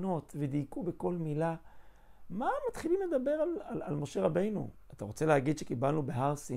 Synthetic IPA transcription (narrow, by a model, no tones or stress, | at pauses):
no̞t̪ved̪ikube̞ko̞lmila | mamat̪χilimled̪abe̞ʁalala̰lmo̞ʃe̞ʁabe̞jnṵat̪aʁo̞t͡se̞leɦaɡid̪ʃekibalnubeɦaʁsi